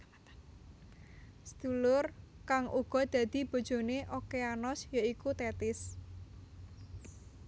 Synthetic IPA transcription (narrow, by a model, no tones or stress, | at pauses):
sd̪̥ulʊrkaŋʔuɡ̥ɔ̤d̪̥ä̤d̪̥i̤b̥o̤d̥ʒ̥o̤neʔokeanɔsjaikut̪ɛt̪ɪs